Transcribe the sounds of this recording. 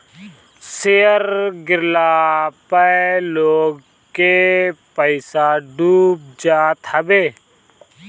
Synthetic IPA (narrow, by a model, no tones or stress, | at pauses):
sejəɾɡɪɾlaːpəloːɡ | kepəɪsaːɖuːb̚d͡ʒaːt̪həbeː